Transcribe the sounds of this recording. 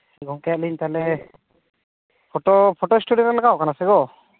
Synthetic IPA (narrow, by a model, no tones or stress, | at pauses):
ɡʱɔŋkɛt̪̚liɲt̪alɛ | pʰɔʈɔpʰɔʈɔisʈuɖijɔɾalakawkanasɛɡɔ